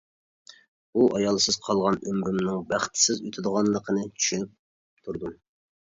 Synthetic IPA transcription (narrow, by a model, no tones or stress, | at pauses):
uʔɑjɑlˠsɨz̥qʰɑlˠʁɑnømɾymnɪŋbæχt̪ʰɪ̥sɪzyt̪ʰɪd̪əʁɑnlˠəqʰənɨt͡ʃʰy̥ʃynyp̚ | t̪ʰuɾd̪um